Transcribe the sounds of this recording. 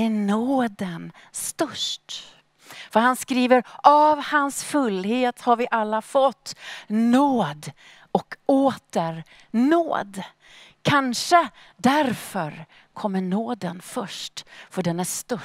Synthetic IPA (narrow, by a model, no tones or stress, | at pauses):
ænoːd̪ən | st̪ɵʂʈ | fœɾhɦanskɾiːvəɾavhansfɵlːheːt̪haɾvɪʔalːafɔt̪ːnoːd̪ | ɔkoːt̪əɾ | no̰ːd̪ | kʰanʂə | d̪æɾfœɾ | kʰɔmːəɳoːd̪ənfœʂʈfœɖɛnæʂt̪œ